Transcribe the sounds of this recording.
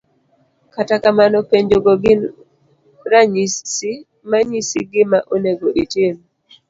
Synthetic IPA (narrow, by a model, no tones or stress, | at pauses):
katakamanɔpeɲd͡ʒoɡoɡɪn | ɾaɲisi | maɲisiɡɪmaʔoneɡoʔitim